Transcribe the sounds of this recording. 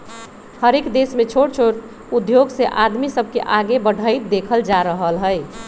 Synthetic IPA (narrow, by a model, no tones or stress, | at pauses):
həɾekd̪esmẽt͡ʃʰoɽt͡ʃʰoɽ | ud̪joɡseʔad̪misəbʱkḛʔaɡebəɽ̤ʱəɪt̪̚d̪ekʰəld͡ʒaɾəɦəlɦəj